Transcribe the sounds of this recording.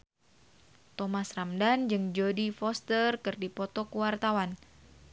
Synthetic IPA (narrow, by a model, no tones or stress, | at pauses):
t̪ɔmasramdand͡ʒɨŋd͡ʒodifɔst̪ərkɨrdipɔt̪ɔkuwart̪awan